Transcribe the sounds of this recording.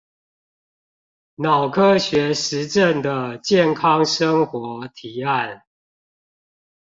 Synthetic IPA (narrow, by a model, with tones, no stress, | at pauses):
nɑ˨˩ʊkʰɤ˦˥ɕɥɛ˨˦ʂɻ̩˨˦ʈ͡ʂə˥˨nd̪ə˩t͡ɕjɛ˥˨nkʰɑ˦ŋʂə˦ŋxwɔ˨˦t̪ʰi˨˦a˥˨n